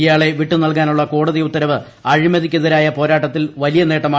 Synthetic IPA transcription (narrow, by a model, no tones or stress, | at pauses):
jaːɭe̞ʋiʈːunɐlk̬aːnuɭːɐko̞ːɽɐðiut̪ːɐɾɐʋɨ | ɐɻimɐðikʲːuðɐɾaːjɐpo̞ːɾaːʈːɐt̪ːilʋɐlijɐne̞ːʈːɐmaː